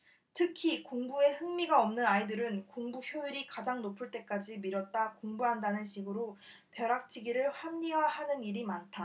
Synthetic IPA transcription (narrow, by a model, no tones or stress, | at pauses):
tʰɯkʰikoŋbue̞hɯŋmiɡaʌmnɯnaidɯɾɯnkoŋbuçjoiɾikad͡ʑaŋnopʰɯɭt͈e̞k͈ad͡ʑimiɾʌt̚t͈akoŋbuɦandanɯnɕʰiɡɯɾo | pjʌɾak̚t͡ɕʰiɡiɾɯɭɸwamɲiwahanɯniɾimantʰa